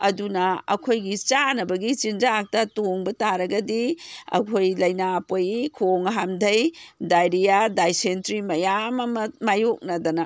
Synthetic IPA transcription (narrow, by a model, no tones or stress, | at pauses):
ɐdunɐɐ̰kʰojɡit͡ʃanɐbɐɡit͡ʃind͡ʒak̚tɐtoŋbɐtaɾɐɡɐdiɐ̰kʰojlɐjnapojikʰoŋɦamdʱɐjdajɾijadajsentɾimɐjamɐmɐmajok̚nɐdɐnɐ